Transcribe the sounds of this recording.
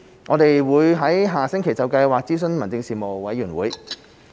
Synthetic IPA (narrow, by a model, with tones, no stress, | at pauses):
ŋɔː˨˧t̪e˨jwuː˨˧jɦɐ˨˥jɦaː˨˩sɪ˥ŋkʰe˨˩jt͡sɐ˨wkɐ˧jwaː˨k̚t͡siː˥s̬ɵ˧nmɐ˨˩nt͡sɪ˧ŋsiː˨˩mo˨wwɐ˨˥jːyː˨˩nwṵː˨˥j